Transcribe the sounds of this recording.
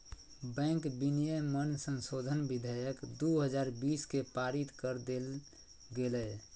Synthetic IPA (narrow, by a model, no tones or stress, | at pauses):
bɛ̃ŋkbinijəmənsənsod̪ʱənbid̪ʱəjəkd̪uɦəd͡ʒaɾbiskepaɾit̪kəɾd̪el | ɡelɛ